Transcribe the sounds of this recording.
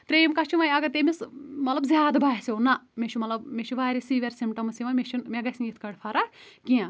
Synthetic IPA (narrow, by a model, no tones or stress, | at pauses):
t̪ɾejmkɐt͡ʃʰiʋɐjɐɡɐt̪emismɐt̪lɐbzʲaːd̪baːsewnɐmet͡ʃʰumɐt̪lɐbmet͡ʃʰuʋaːɾisiːʋʲeɾʲsimʈɐmsiʋɐmeʃʰinmʲeɡɐsʲinjit̪ʰkɐɽpʰɐɾakiã